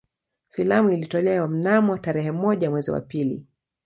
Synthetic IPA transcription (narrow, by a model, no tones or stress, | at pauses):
filamuilitɔlɛwam̩namɔtaɾɛhɛmɔʄamwɛzḭwa̰pilḭ